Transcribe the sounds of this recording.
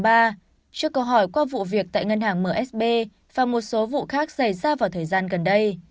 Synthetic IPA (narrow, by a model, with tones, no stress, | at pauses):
ɓaː˧ | t͡ɕɨ˦˥əkːə˧wɦɔ˧˩jkwaː˧vṵ˧˨vi˨˩ək̚t̪a̰ː˧˨jŋə˧nhaː˨˩ŋməː˧˩ʔɛ˦˥s̚ɓe˧ | vaː˨˩mo˨˩t̚so˨˦vṵ˧˨xaː˦˥k̚sə˧˩jzaː˧vaː˨˩wt̪ʰəː˨˩jzaː˧nɣə˨˩nɗə˧j